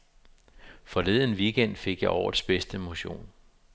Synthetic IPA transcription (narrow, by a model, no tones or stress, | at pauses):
fɒ̽le̝ðˠnʋiɡ̥en̰d̥fe̝ɡ̥jɑ̈ɪʔɒ̰ːd̥sb̥esd̥əmo̝ɕo̝̰ːn